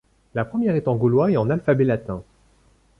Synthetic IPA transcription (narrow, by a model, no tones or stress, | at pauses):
lapχəmjɛʁɛt̪ɑ̃ɡulwaeɑ̃nalfabelat̪ɛ̃